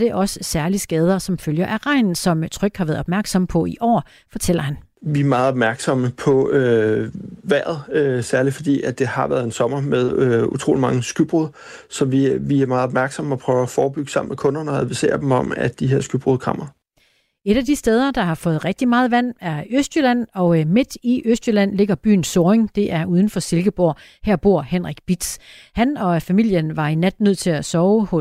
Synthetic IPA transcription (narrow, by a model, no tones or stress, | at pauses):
d̥e̝ʔɒ̽ssæɐlisɡ̥ɛːð̞ˠɐsɒ̽mføljɐʔæʁɑ̈ɪ̰nn̩sɒ̽mt͡sʰʁœɡ̥hɑ̈ʋæɐð̩ˠɒ̽b̥mæɐɡ̥sɒ̽məpʰɒ̽iʔɒ̰ː | fɒ̽t͡sʰel̰ɐhæn | ʋiæɐmɑ̈ð̩ˠɒb̥̚mæɐɡ̥sɒ̽məpʰɒ̽ø | ʋæɐ̰ð̩ˠøsæɐlifɒ̽d̥ḭːædd̥e̝hɑ̈ʋæɐðˠensɒ̽mɐmeðˠøṵt͡sʰʁo̰ːlimɑ̈ŋəsɡ̥yb̥ʁuðˠ | sɒ̽ʋiʋiæɐmɑ̈ːð̩ˠɒb̥̚mæɐɡ̥sɒ̽məɒpʰʁœːʊæfɒːb̥yɡ̥ə̥sɑ̈m̰n̩mekʰɔ̽nɐnəæʋisḛːɐd̥em̩ɒ̽mæ̰d̥d̥iɦe̝ɐ̰sɡ̥yb̥ʁoðˠkʰʁɑ̰m̰ɐ | e̝ɾ̥æd̥isd̥eːð̞ˠɐd̥ɑ̈hɑ̈fɔ̽ːð̞̩ˠʁɛɡ̥̚d̥imɑ̈ːð̞̩ˠʋæn̰æɐøsd̥jølæn̰ɒ̽me̝d̥iʔøsd̥jølæn̰le̝ɡ̥ɐb̥y̰ːn̩soːeŋd̥e̝ʔæɐʔuð̞ˠn̩fɒ̽se̝lɡ̥əb̥o̝ɐ̰ | hæɐ̰b̥o̝ɐ̰henʁaɡ̥b̥id̥shænɒ̽fæmil̰jənʋɑ̈inæd̥nøð̞̰ˠt͡sʰe̝læsɒʊhɔ̽